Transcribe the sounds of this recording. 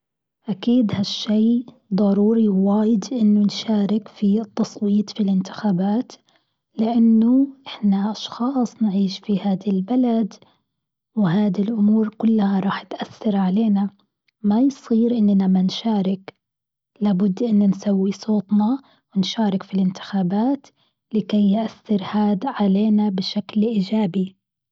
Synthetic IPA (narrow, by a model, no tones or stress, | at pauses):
ʔakiːd̪haʃːeː | d̪ˤɑɾuːɾiwwaːjɪd̪ʔɪnːʊnʃaːɾɪkfit̪ːɑsˤwiːt̪ˤfilɪnt̪ɪ̥xaːbaːt̪ | lɪʔanːʊʔɪħnaʔɑʃxɑːsˤnʕiːʃfihaːd̪ilbalad̪ | wɪɦaːd̪ilʔʊmuːɾkʊlːhaɾˤɑːħɪt̪ʔaθːɑɾˤʕaleːna | majsˤiːɾʔɪnːnamanʃaːɾˤɪk | laːbʊd̪ːʔɪnːʊnsawːisˤoːt̪ˤnɑ | wɪnʃaːɾˤɪkfilɪnt̪ɪ̥xaːbaːt̪ | lɪkejːʔaθːɪɾhaːd̪ʕaleːnabɪʃaklʔiːd͡ʒaːbi